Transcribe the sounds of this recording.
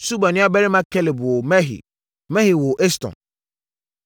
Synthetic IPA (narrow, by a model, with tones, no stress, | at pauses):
su˦ba˨nɪ̃˦a˦bɛ˦ɾi˦mã˦kʰɛ˦lɪ˨bɔ˨mɛ˦ɦḭ˨ | mɛ̃˦hi˨wo˨ʔɛ˦stɔ̰̃˨n